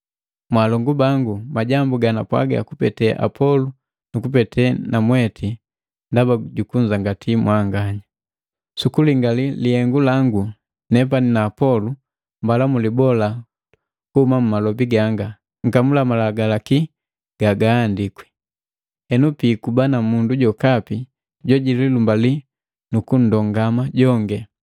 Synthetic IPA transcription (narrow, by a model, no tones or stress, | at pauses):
mwalɔŋɡubaŋɡumaɟambuɡanapwa̰ɡa̰kupɛ̰tɛʔa̰pʰɔlu | nukupɛtɛnamwɛtʰi | ndabaɟukuɲd͡ʒaŋɡatʰimwaŋɡaɲa | sukuliŋɡalilihɛŋɡulaŋɡu | nɛp̬aninaːpɔlu | mbalamulibɔla | kuhumam̩malɔbiɡaŋɡa | ŋ̩kamulamalaɡalaki | ɡ̥aɡaːndikwɛ̥ | ɛnupiːkubanamunduɟɔkapi | ɟɔɟililumbali | nukun̩dɔŋɡamaɟɔŋɡɛ